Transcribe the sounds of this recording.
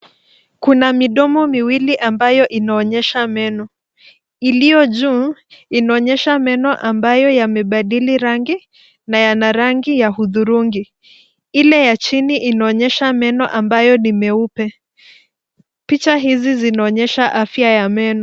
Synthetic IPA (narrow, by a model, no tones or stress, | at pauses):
kunamiɗɔmɔmiwiliʔambajɔʔinaɔɲɛʃamɛnɔ | ilijɔʄuːinaɔɲɛʃamɛnɔʔambajɔjamɛɓaɗiliɾaŋɡi | najanaɾaŋɡijahuðuɾuŋɡi | ilɛjat͡ʃiniʔinaɔɲɛʃamɛnɔʔambajɔnimɛupɛ | pit͡ʃaɦizizinaɔɲɛʃaʔafjajamɛnɔ